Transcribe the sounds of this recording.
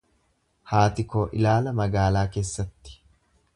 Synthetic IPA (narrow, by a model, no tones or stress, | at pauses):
haːt̪ɪkoːʔɪ̰laːlɐmɐɡaːlaːke̞ːsːɐt̪ːɪ̥